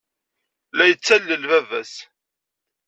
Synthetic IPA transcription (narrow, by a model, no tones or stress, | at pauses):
læjət͡sːælːəlvævæ̰s